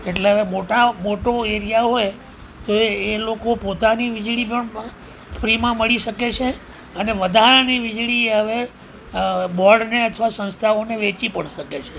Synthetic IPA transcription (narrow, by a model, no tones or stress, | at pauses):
eʈleɦəʋemoʈamoʈoeɾijaɦoj | t̪oelokopot̪aniʋɪd͡ʒɭipəɳ | fʰɾimãməɭiʃəket͡ʃʰe | əneʋəd̪ʱaɾaniʋɪd͡ʒɭieɦəʋe | bɔɖneət̪ʰʋasə̃nst̪ʰaʋoneʋet͡ʃipəɳʃəket͡ʃʰe